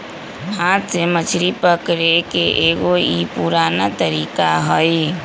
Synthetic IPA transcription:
ɦãt̪semət͡ʃʰɾipəkɾekeʔeːɡoipuɾaːnat̪əɾiːkaɦəj

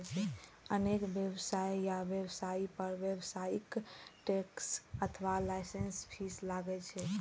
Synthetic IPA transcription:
t͡ʃʰɛ | ənekbjəbsajjaʋjebsaipəɾʋjebsaikʈeksət̪ʰəʋalaɪsenspʰislaɡɛt͡ʃʰɛ

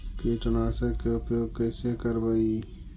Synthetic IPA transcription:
kiʈɐnaːsəkːeʊpjoːɡ̚keːsekəɾbəi

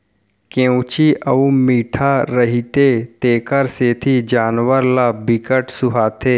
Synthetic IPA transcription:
kẽũt͡ʃiʔəumiːʈʰaɾəɦit̪et̪eːkəɾseːt̪ʰid͡ʒaːnwəɾlaːbɪkəʈsʊɦaːt̪ʰeː

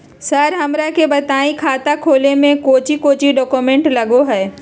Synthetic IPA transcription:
sɐɾɦɐmɾakʰebɐt̪aːĩkʰaːt̪akʰoːlemẽkoːt͡ɕikoːt͡ɕiɖɔːkomẽːɳʈlɐɡoɦɛː

